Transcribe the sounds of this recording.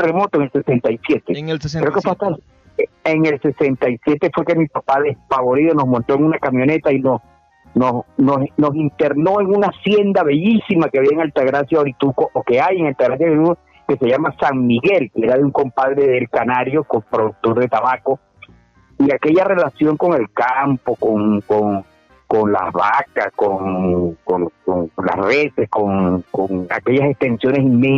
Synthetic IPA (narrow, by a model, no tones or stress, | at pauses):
remo̞t̪oeŋelsesent̪ajsje̞t̪ekɾeokefweat̪a | eŋe̞lse̞se̞nt̪ajsje̞t̪e̞fwe̞kemipapaðe̞spaβo̞ɾiðono̞smont̪o̞eŋunakamjo̞ne̞t̪ainos | nosnosno̞sint̪e̞ɾno̞e̞ŋunasje̞nd̪aβe̞ʝisimakeaβiaeŋalt̪aɣɾasjaoɾit̪ukoʔoke̞ajeŋalt̪aɣɾas̬jaɾit̪uko | ke̞se̞ʝamasaŋmiɣe̞lkeeɾaðeuŋko̞mpaðɾeðe̞lkanaɾjokompɾo̞ðuk̚t̪o̞ɾðe̞t̪aβako | iake̞ʝare̞lasjo̞ŋko̞ŋe̞lkampokoŋkoŋ | ko̞nla̰hβakaskoŋkoŋkoŋkonla̰sreseskoŋkoŋa̰ke̞ʝasekst̪e̞nsjo̞ne̞siŋmẽ